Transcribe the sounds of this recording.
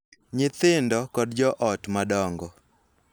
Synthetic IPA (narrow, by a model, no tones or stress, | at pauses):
ɲɪt̪ɪndɔkɔdd͡ʒɔʔɔtmadɔŋɡɔ